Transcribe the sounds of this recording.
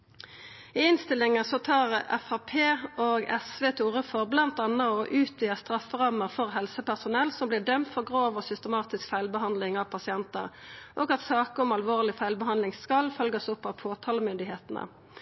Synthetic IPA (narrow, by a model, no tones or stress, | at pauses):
ɪɪnst̪ɪlːɪŋəsɔt̪ʰɑːʁɛ̰fɑpʰeːoːɡɛsʋeːt̪ʰuːʁəfɔʁblɑnt̪ɑnəɔʔʉːt̪yːəst̪ʁɑfːəʁɑməʁfɔʁɦɛlsəpæʁsʊnɛlsɔmbliːd̪œmt̪fɔʁɡʁoːʋɔsʏst̪əmɑːt̪ɪskfæɪlbəɦɑnd̪lɪŋɑʋpʰɑsɪɛnt̪ə̰ʁʔoːɡɑt̪sɑːkəɔmɑlʋoːʁlɪfæɪlbəɦɑnd̪lɪŋskɑlfœlɡəsɔpːɑfʰoːt̪ʰɑːləmʏnd̪ɪɦeːt̪nə̰